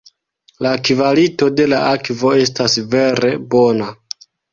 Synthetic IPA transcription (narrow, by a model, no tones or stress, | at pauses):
lakvalito̞de̞laʔakvo̞e̞stasve̞ɾe̞bo̞na